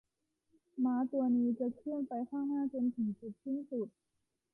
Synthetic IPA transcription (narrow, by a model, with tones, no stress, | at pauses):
maː˦˥t̪u˧ɐniː˦˥t͡ɕa˨˩kʰɾɯ˥˩ənpa˧jkʰaː˥˩ŋnaː˥˩t͡ɕo˧nt̪ʰɯ˩˦ŋsu˨˩t̪̚si˥˩nsu˨˩t̪̚